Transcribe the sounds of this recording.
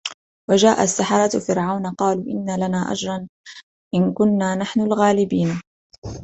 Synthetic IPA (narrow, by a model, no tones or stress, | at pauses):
wad͡ʒaːʔasːaħɑɾˤɑt̪fɪɾʕawnaqɑːluːʔɪnːalanaːʔa̰d͡ʒɾˤɑn | ʔɪnkʊnːaːnaħnʊlɣaːlɪbiːn